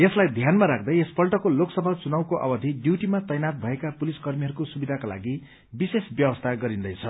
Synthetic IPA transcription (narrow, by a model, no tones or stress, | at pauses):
eslajd̪ʱjanmaɾakʰd̪ʌjespʌlʈʌkoloksʌbʱat͡sunawkoʔʌ̰bʌd̪ʱiɖjuʈimat̪ʌjnat̪̚bʱʌekapuliskʌrmiɦʌɾukosubid̪ʱakala̰ɡi | bisesbjʌwʌst̪ʰaɡʌɾind̪ʌjt͡sʰʌ